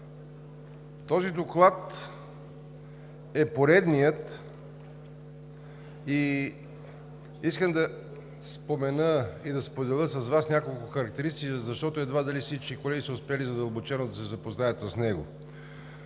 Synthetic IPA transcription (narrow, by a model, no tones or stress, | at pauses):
t̪ɔzid̪oklˠat̪ | ɛpoɾɛd̪nijət̪ | i | iskəmd̪ɐ | spomɛnəid̪ɐspod̪ɛlˠəsɐzvasnʲakolˠkʊxɐɾɐk̚t̪ɛɾist̪ikəzɐʃt̪ɔt̪ʊɛd̪vad̪ɐlifsit͡ʃkikolɛɡʲisəʊspɛlizɐd̪əlˠbot͡ʃɛnod̪ɐsɛzɐpoznajət̪sɐsnɛɡʊ̰